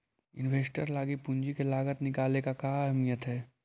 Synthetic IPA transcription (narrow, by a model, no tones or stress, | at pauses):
ɪ̰nʋeːsʈəɾlaːɡipʊɲd͡ʒikelaːɡət̪nɪkaːlekakaːɦmijət̪ɦɛː